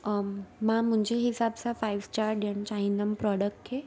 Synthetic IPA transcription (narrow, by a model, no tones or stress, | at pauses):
mam̤əɳd͡ʑeɦisabt͡safajʋsʈaɾʈjant͡ɕaɦinəmpɾɔɽək̚ʈɦe